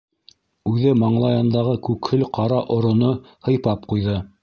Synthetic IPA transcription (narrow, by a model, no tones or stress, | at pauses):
ʉðɘmɑɴlˠɑjɑnd̪ɑʁɤkʉkhɘlqɑɾɑʔŏɾŏno | hɤ̆jpɑp̚qujðɤ